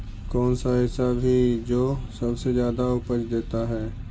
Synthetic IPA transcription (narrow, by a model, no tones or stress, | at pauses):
kɔːnsaɦɪsabʱid͡ʒoːsɐbsezjaːd̪aʊpət͡ʃd̪eːt̪aɦɛː